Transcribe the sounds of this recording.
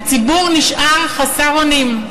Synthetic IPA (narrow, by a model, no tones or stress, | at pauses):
t͡sibuʁniʃʔaʁχasaʁonim